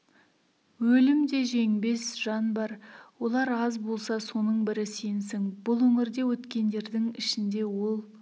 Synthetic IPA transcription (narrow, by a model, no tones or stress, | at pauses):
wɵlɪmd̪e̞ʒe̞ŋbe̞sʒ̥ɑnbɑɾwo̞lˠɑɾɑzbolˠsɑso̞nəɴbɪɾɪsensɪŋbʊlˠwɵŋɪɾd̪e̞wɵt̪kʲe̞nd̪e̞ɾd̪ɪŋɪʃɪnd̪e̞wo̞lˠ